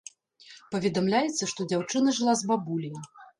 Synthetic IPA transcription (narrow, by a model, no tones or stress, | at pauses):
pɐvʲɛd̪amlʲajɛt̪sːɐʂt̪ɔd͡zʲawt͡ʂɨnɐʐɨlˠazbabulʲiji